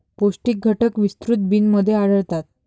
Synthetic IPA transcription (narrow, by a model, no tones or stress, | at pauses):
posʈik̚ɡʱəʈəkʋist̪ɾut̪̚biːnməd̪ʱːjeaɽəɽt̪at̪̚